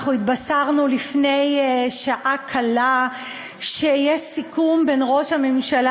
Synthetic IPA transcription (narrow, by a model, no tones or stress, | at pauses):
χuit̪basaʁnulifne̞jʃaʔakʰala | ʃejeʃsikumbenʁo̞ʃhamemʃal